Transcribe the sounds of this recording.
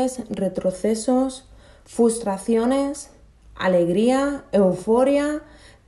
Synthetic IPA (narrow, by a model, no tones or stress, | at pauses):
esre̞t̪ɾoθesos | fɾust̪ɾaθjones | a̰le̞ɣɾiaewfoɾja